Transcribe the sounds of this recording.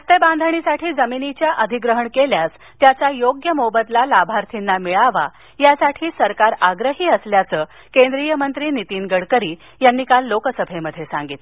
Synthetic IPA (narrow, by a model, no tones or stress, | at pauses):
t̪ebãnd̪ʱəɳ̃isaʈʰiːd͡zəminit͡ɕjaʔəd̪ʱiɡɾəɦəɳkeljas | t̪jat͡sajoɡjəmobət̪lalabʱaɾt̪ʰinːamiɭaʋa | jasaʈʰiːsəɾkaɾaɡɾəɦiːəsljat͡səː | kẽnd̪ɾijəmənt̪ɾiːnit̪iːnɡəɽkəɾiː | janːiːkalːokəsəbʱeməd̪ʱjesa̰ŋɡiːt̪